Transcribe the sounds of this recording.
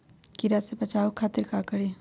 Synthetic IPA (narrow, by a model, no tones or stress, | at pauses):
kiɾasepət͡ʃaːokʰaːt̪iɾkakəɾe